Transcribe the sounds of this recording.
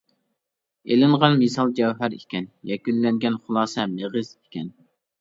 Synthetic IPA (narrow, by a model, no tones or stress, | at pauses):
elɪɴʁɑnmesɑlˠd͡ʒɛwɦæɾikʲɛnjɛkʲynlɛŋɡʲɛnχʊlˠɑːsɛmeʁəzikʲʰɛn